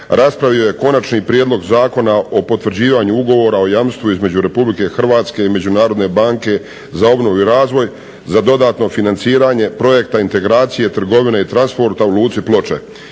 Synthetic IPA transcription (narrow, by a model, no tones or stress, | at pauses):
ɾʔaspɾaʋio̞jeko̞nat͡ʃniːpɾjeːd̪lˠo̞ɡzaːko̞nao̞po̞t̪ʋr̩d͡ʑiːʋaɲuuɡo̞ʋo̞ːɾao̞jamst̪ʋuizme̞d͡ʑuɾe̞publike̞xr̩ʋaːt̪ske̞ime̞d͡ʑunaːɾo̞d̪ne̞baːŋke̞ | zao̞bno̞ʋuiɾaːzʋo̞j | zad̪o̞d̪aːt̪no̞finantsiːɾaːɲe̞pɾo̞je̞kt̪aint̪e̞ɡɾaːt̪sije̞t̪r̩ɡo̞ʋineit̪ɾanspo̞ɾt̪auluːt̪siplˠo̞t͡ʃḛ